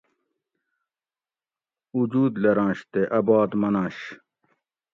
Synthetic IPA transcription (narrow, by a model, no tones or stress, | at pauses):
ud͡ʑuːd̪lɐɾãːɕt̪eʔɐbaːd̪mɐnãːɕ